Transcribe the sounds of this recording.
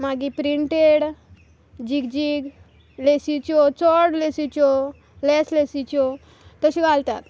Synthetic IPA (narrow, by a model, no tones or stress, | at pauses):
maɡipɾiɳʈeɽ | d͡ʑiɡd͡ʑiɡ | lesit͡ɕɔt͡sɔɽlesit͡ɕɔ | lɛslesit͡ɕɔ | t̪əɕiɡʱalt̪at̪